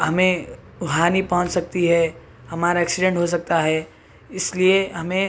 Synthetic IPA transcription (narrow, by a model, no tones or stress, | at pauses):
ɦɐmẽ | ʊɦaːnipɐɦʊ̃ɲt͡ʃsɐk̚t̪iɦɛ | hɐmaːɾaɛːksɪɖẽɳʈɦos̬ɐk̚t̪aɦɛː | ɪslieɦɐmẽ